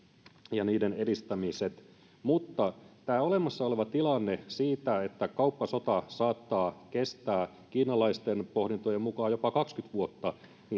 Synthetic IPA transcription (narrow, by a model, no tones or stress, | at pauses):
jɑniːdenedist̪æmiset̪ | mut̪ːɑt̪æːole̞mɑsːɑoleʋɑt̪ilɑnːesiːt̪æet̪ːækɑupːɑso̞t̪ɑsɑːt̪ːɑːkest̪æː | kiːnɑlɑist̪enpohdint̪ojemmukɑːjopɑkɑkskyt̪ʋuot̪ːɑ | ni